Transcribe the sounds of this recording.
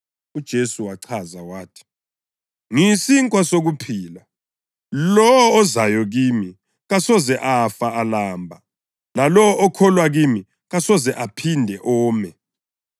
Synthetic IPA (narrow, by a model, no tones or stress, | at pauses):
ud̥ʒ̥ʱesuwaǀʰazawaːtʰi̥ | ŋisiŋkʼwasoɣupʰiːla | lɔɔːzajɔɣimi | ɣasɔzɛʔafaalaːmbʱa | lalɔʔɔkʰɔlwaɣimi | ɣasɔzɛʔapʰindʱɛʔɔːmɛ